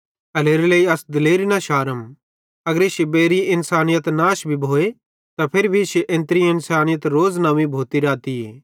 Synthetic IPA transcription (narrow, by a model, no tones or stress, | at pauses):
ɐleːɾeleːiɐsd̪ɪleːɾinɐʃaːɾəm | ɐɡəɾɪʃebeːɾiɪ̃nsaːnɪjət̪naːʃbʱibʱoːe | t̪apʰɪɾbʱiʃʔẽnt̪ɾiɪ̃nsaːnɪjət̪ɾoːznɐʋibʱoːt̪iɾaːt̪ieː